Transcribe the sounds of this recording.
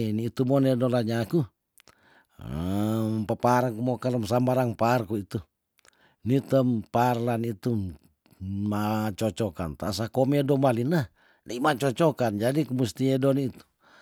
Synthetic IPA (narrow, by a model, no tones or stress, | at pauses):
niːt̪umonedolaɲaku | mpəpaɾaŋkumokalɔmsambaɾaŋparkuit̪u | nit̪əmparlanit̪u | mat͡ʃɔt͡ʃɔka̰nt̪a̰sakomɛdɔmalina | laimat͡ʃɔt͡ʃɔkand͡ʒadikumust̪iedɔnit̪u̥